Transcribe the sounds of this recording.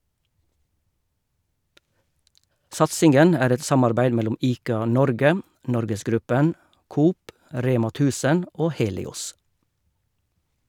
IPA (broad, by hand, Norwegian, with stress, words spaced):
ˈsɑtsɪŋɡən ˈæːɾ ˈɛt ˈsɑmɑɾbæɪd ˈmɛlʊm ˈiːkɑˌnɔɾɡə ˈnɔɾɡəsˌɡɾʉpən ˈkuːp ˈɾeːmɑ ˈtʉːsən ˈoː ˈheːlɪˌʊs